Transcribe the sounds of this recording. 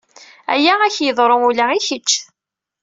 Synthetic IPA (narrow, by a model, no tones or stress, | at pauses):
æ̰jææçjəðˤɾˤoulæiçət͡ʃː